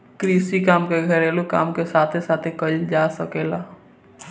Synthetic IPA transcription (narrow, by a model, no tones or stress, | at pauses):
kɾiːsikaːmkeɡʱəɾeːloka̰ːmkesaːt̪ʰesaːt̪ʰekəld͡ʒaːsəkeːlaː